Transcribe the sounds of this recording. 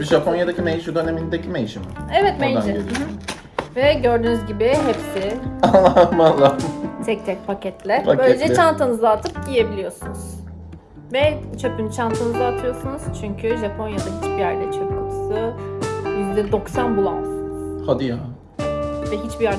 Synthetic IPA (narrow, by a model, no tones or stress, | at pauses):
biʒapʰonjad̪acimejʃud̪ønemind̪ecimejiʃimevɛt̪mejd͡ʒɛ | vɛɟø̞ɾd̪yːnyzɟibɪɦɛpsɪanlːˠamalːˠat̪ʰɛc̚t̪ʰɛc̚pʰacʰɛt̪lʲɛbaøjlʲed͡ʒɛt͡ʃʰant̪ʰɯnɯzlˠaːt̪ʰɯpɟije̞bilʲijo̞sunuz̥ | vɛt͡ʃʰø̞pynt͡ʃʰant̪ʰɯnɯzaːt̪ʰɯjo̞sunuz̥t͡ʃʰyɲcʰyʒapʰo̞njad̪aɦit͡ʃbijæɾlʲɛt͡ʃʰøpʰɯmsɯ | jyzlid̪o̞ksanbulˠa̰sɯnɯz̥had̪ija | vɛɦit͡ʃbijæɾ